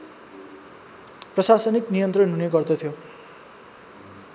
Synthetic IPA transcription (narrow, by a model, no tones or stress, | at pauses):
prʌsasʌniknijʌnt̪rʌnɦuneɡʌrd̪ʌt̪ʰijo